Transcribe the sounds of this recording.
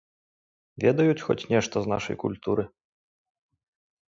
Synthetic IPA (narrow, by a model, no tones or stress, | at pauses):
vʲɛd̪ɐjut͡sʲxɔ̰t͡sʲnʲɛʂt̪ɔzna̰ʂɐ̰jkṵlʲt̪uɾɨ